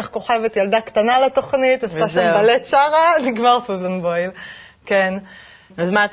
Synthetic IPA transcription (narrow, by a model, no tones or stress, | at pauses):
χko̞χevetjald̪akt̪analet̪o̞χnit̪asaʃambalett͡ʃaʁaniɡmaʁfuzoŋbojl | ken | azmat